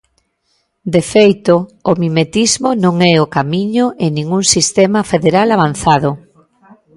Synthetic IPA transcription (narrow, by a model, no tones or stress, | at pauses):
d̪efejt̪oːmimet̪izmonõŋɛokamiɲoʔenĩŋuŋsist̪ɛmafeðeɾalaβan̟θaðʊ